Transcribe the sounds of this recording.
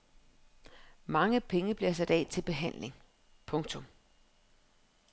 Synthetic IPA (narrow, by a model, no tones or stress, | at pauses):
mɑ̈ŋəpʰeŋəb̥liɐs̬æd̥ɛ̰ːt͡sʰe̝lb̥e̝ɦæn̰le̝ŋ | pʰɔ̽ŋt͡sʰɔ̽m